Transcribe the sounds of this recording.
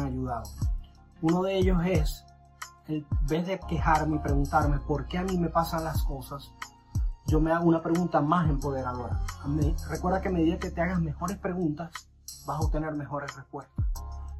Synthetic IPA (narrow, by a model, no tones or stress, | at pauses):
ŋaʝuðaðo | uno̞ðeeʝo̞se̞s | emmbe̞zðe̞ke̞xaɾme̞ipɾe̞ɣunt̪aɾmepo̞ɾke̞amĩme̞pasanlasko̞sas | ʝo̞me̞aɣounapɾe̞ɣunt̪amase̞mpo̞ðe̞ɾaβloɾa̰merekwe̞ɾðakeameðiðeke̞t̪eaɣasme̞xo̞ɾe̞spɾe̞ɣunt̪as | basaop̚t̪e̞neɾme̞xo̞ɾe̞srespwe̞st̪ḁs